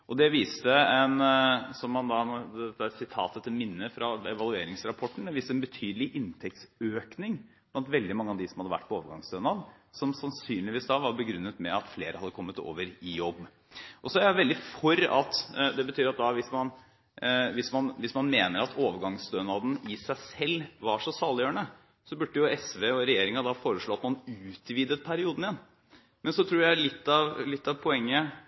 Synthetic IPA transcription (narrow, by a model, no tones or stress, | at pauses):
ʔɔd̪ɛʋiːst̪əɛnsɔmːɑnd̪ɑnd̪ɛɛt̪ːæsɪt̪ʰɑ̰ːt̪ət̪ʰɪlmɪnːəfɾɑɛʋɑlˠʉeːɾɪŋsɾɑpʰɔʈːɳ̩d̪ɛʋiːst̪əɛnbət̪ʰyːd̪əlɪʔɪnt̪ʰɛk̚t̪søːknɪŋ | b̥lɑnt̪ʋɛld̪ɪmɑŋːəɑʋd̪ɪsɔmhɑd̪əʋæ̰ʈːpʰɔoːʋəɾɡɑŋsd̪øːnɑd̪sɔmsɑnsyːnlɪʋiːsd̪ɑʋɑɾbəɡɾʉnːət̪mɛɑt̪fleːɾəhɑd̪ːəkʰɔmːət̪o̰ːʋəɾɪjɔbː | ʔɔsɔæɾjæʋɛld̪ɪfɔɾɑ̰t̪d̪ɛbət̪ʰyːɾɑt̪̚d̪ɑʋɪsmɑn | ʋɪsmɑnʋɪsmɑnmeːnəɾɑt̪ʰoːʋəɾɡɑŋsd̪øːnɑd̪n̩ɪsæɪsɛlːʋɑʂɔsɑːlɪjøːəɳə | sɔbʉɖːəjʊɛsʋeɔɾɛjeːɾɪŋɑd̪ɑfoːɾəʂɭoːɑt̪mɑnʉːt̪ʋiːd̪ət̪pʰæɾɪuːd̪n̩ɪjɛnː | mɛnsɔt̪ʰɾuːɾjælɪt̪ːɑʋlɪt̪ːɑʋpʰɔɛŋːə